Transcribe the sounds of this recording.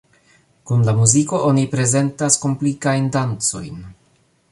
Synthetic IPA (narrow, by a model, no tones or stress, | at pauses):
kunlamuziko̞ʔo̞nipɾe̞ze̞ntasko̞mplikajndant͡so̞̰jn